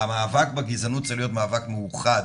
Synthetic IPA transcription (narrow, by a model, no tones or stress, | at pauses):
amaːvakbeɡizanut̪̚t͡seχlijo̞t̪maːvakmejuχad